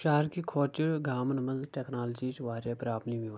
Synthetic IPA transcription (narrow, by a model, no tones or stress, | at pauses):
ʃaɦɾkikʰoːt͡ʃəɽɡaːmnməzʈɛːknaːld͡ʒit͡ʃʋaːɾjapɾaːpniʋɪʋ